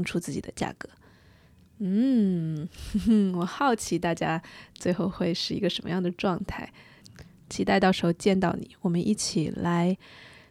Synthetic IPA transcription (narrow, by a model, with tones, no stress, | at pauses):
ŋʈ͡ʂʰu˥t͡sɹ̩˥˩t͡ɕi˨˩d̪ə˦t͡ɕja̰˥˩kɤ˧˦ | n̩˥˩ | wɔ˨˩xɑ˥˩ʊt͡ɕʰi˧˥t̪a˥˩t͡ɕja˥t͡swe˥˧ɪxo˥˧ʊxwe˥˧ɪʂɻ̩˥˩i˧˥ɡə˧ʂə˧˥nmə̰˧jɑ˥˩ŋd̪ə˩ʈ͡ʂwɑ˥˧ŋt̪ʰa̰˥˩ɪ | t͡ɕʰi˧˥t̪a˥˧ɪɑ˥˩ʊʂɻ̩˧˥xo˥˧ʊt͡ɕjɛ˥˧nt̪ɑ˥˩ʊnḭ˨˩˦wɔ˨˩mə˦nʔḭ˥˩t͡ɕʰi˨˩˦la˧˥ɪ